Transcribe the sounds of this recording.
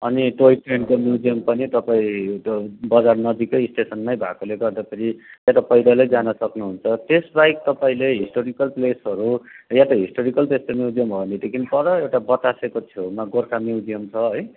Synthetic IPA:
ʌniʈoiʈreɳkomjid͡zijʌmpʌnit̪ʌpaĩ | bʌd͡zarnʌd̪ikʌjisʈesʌnmajbʱa̰koleɡʌrd̪apʌɾiaʈapʌjɾʌlejd͡zanʌsʌknuɦunt͡sʰʌt̪esbajk̚t̪ʌpaĩleɦisʈoɾikʌlplesʌɾujat̪aɦisʈoɾikʌlpest̪omjiwd͡zijʌmbʱʌnid̪ekʰinpʌɾʌewʈabʌt̪asekotʰomaɡorkʰamiwd͡zijʌmt͡sʰʌɦʌj

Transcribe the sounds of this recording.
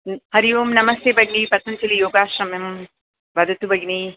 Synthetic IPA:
hɐɾijuːmnɐmɐst̪eːbʱɐɡnipɐt̪ɐnt͡ʃɐlijoːɡaːʃɾɐmem | bɐd̪ʱɐt̪ubʱɐɡni

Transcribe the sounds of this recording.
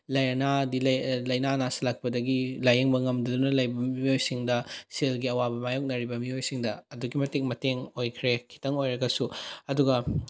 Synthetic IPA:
lɐjɐnadilɐlɐjnanasɐlak̚pɐdɐɡilajeŋbɐŋɐmdɐdunɐlɐjbɐmiojsiŋdɐselɡiɐwabɐmajok̚nɐɾibɐmiojsiŋdɐɐduɡimɐteŋmɐteŋojkʰɾekʰi̥tɐŋojɾɐɡɐsuɐduɡɐ

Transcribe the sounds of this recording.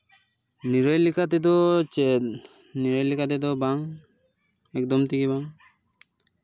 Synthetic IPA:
niɾɔjlikʰat̪ɛd̪ɔ | niɾɔjlikat̪ɛd̪ɔbaŋ | ɛk̚d̪ɔmt̪iɡibaŋ

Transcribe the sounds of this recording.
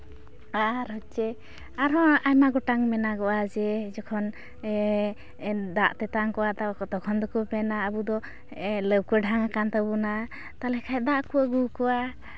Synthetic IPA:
aɾɔt͡ʃɛ | aɾɔajmaɡɔʈaŋmɛnaɡɔwad͡ʒɛd͡ʒɔkʰɔn | d̪aʔt̪ɛt̪aŋkɔwat̪aakɔt̪ɔkʰɔnd̪ɔkupɛnaəbud̪ɔ | ɛləb̚kəɖʱaŋakant̪abuna | t̪alɛkʰajd̪aʔkuəɡukɔwa

